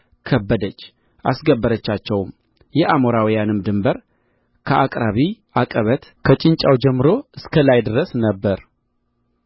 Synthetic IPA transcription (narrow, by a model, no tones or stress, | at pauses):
kʰəbːəd̪ət͡ʃː | ʔa̰sɡəbːəɾət͡ʃːat͡ʃːɛwm | jɛʔamoɾawijanɨmd̪ɨmbəɾ | kʰəʔakʼɾaβiʔakʼəβət̪kʰət͡ʃʼɪnt͡ʃʼawd͡ʒɛmːɨɾo̞ʔɨskʰəlajd̪ɨɾəsnəbːəɾ